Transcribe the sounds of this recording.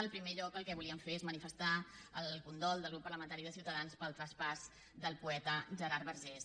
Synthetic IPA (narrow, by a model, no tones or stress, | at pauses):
əlˠpɾimeʎɔkəlˠkɛβuliəɱfeɾezmənifəst̪aəlˠkund̪ɔlˠd̪əlɣɾupːəɾləmə̃nt̪aɾiðəsiwt̪əðanspəlˠt̪ɾəspaz | d̪əlˠpuɛt̪əʒəɾaɾβəɾʒɛs